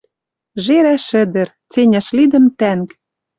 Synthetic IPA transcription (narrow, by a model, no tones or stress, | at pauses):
ʒeɾæʃɘ̆d̪ə̆ɾ | t͡senʲæʃlid̪ə̆mt̪æŋk